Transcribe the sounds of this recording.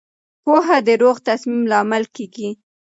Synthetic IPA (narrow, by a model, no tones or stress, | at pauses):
poɦad̪əɾoɣt̪asmimlɑmalkeɡi